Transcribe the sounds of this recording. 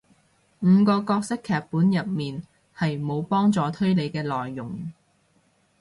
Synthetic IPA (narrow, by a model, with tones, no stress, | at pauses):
m̩ː˨˧kɔː˧kɔː˧k̚sɪ˥kʰːɛː˨k̚puː˨˥njɐ˨t̚miː˨˩n | hɐ˨jmo˨˧wpɔː˥ŋt͡sɔː˨˧t̪ʰɵ˥ɥle˨˧jkɛː˧lɔː˨jːʊ˨˩ŋ